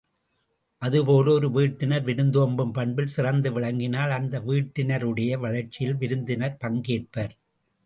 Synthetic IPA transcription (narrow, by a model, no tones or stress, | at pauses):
ʔɐðɯpoːlɔɾɯʋiːʈːɪnɐɾʋɪɾɯnd̪oːmbɯmpɐɳbɪlsɪrɐnd̪ɯʋɪɭɐŋɡɪnaːlɐnd̪ɐʋiːʈːɪnɐɾɯɽɐjɐʋɐɻɐɾt͡ʃːɪjɪlʋɪɾɯnd̪ɪnɐɾpɐŋɡeːʈ̚pɐɾ